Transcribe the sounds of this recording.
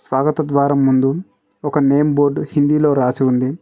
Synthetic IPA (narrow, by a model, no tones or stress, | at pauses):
sʋaːɡɐt̪ɐd̪ʋaːɾɐmːund̪u | ɔkɐneːmboːɾɖhind̪ilo̞ːɾaːsiund̪i